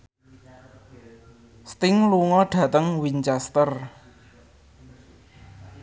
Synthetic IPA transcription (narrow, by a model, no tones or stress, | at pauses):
st̪ɪŋluŋɔɖ̥ä̤t̪əŋwiɲt͡ʃast̪ər